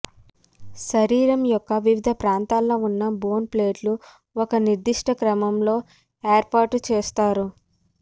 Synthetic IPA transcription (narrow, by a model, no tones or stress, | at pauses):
ʃɐɾiːɾɐmjɔkːɐʋiʋid̪ʱɐpɾaːnt̪aːlːo̞ːunːɐbo̞ːnple̞ːɖlu | ɔkɐniɾd̪iʂʈɐkɾɐmɐmlo̞ː | eːɾpaːʈut͡ʃeːst̪aːɾu